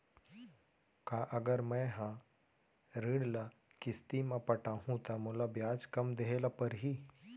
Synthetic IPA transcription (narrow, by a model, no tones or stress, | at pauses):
kaːʔɐɡəɾmɛ̃ɦã | ɾiːɽla | kɪst̪imãpɐʈaːɦũt̪amʊlabjaːd͡ʒkɐmd̪eɦelapɐɾɦi